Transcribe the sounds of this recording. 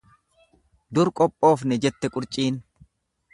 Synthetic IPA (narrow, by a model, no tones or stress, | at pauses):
d̪ʊɾkʼɔpʼːo̞ːfnɛd͡ʒɛt̪ːɛkʼʊɾt͡ʃʼiːn